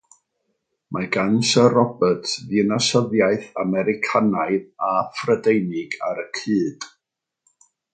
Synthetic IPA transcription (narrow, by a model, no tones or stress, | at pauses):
mʔaɡansərɔbətʰðinasəðjaɨθamɛɾɪkʰanajðafrədejnɪɡaɾəkʰɨːd̥